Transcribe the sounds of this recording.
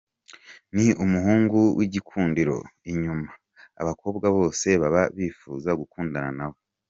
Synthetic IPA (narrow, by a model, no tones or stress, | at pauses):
niumuɦuːŋɡuwʔiɟikʰuːndiɾo̞̰iɲuma | a̰βakʰo̞ːbɡaβo̞ːse̞βaβaβiːfuːzaɡukuːndananaβo̞